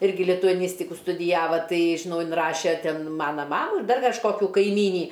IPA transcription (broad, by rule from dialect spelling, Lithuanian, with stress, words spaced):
ˈɪrʲɡʲɪ lʲɪtʊɐˈnʲiːsʲtʲɪkʊ stʊdʲɪˈjæːʋɐ ˈtɐɪ ʒʲɪˈnɐʊ ɪnˈrɑːʃʲɛ ˈtʲɛn ˈmɑːnɐ ˈmɑːmuː ɪr ˈdɐr kɐʃˈkoːkʲʊ kɐɪˈmʲiːnʲiː